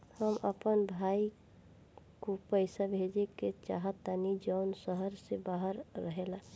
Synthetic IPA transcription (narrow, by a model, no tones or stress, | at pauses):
həmʔəpənbʱai | kopəɪsabʱed͡ʒeket͡ʃa̰ɦət̪ːanid͡ʒəːnsəɦəɾsebaɦəɾːəɦela